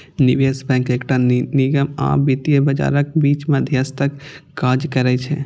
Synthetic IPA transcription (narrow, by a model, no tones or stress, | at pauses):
niʋesbɛ̃ːkekʈaniɡəma̰bit̪ijəbəd͡ʒa̰ɾəkbit͡ʃməd̪ʱjəst̪əkːaːd͡ʒkəɾɛt͡ʃʰɛ̰̃